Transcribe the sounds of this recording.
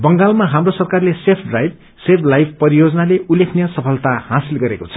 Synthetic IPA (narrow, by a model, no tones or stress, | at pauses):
bʌŋɡalmaɦamrosʌrkarlesepʰɖrajb̚ | sepʰlajb̚pʌɾijod͡zʌnaleulekʰnjʌsʌpʰʌlt̪ahãsilɡʌɾekot͡sʰʌ̥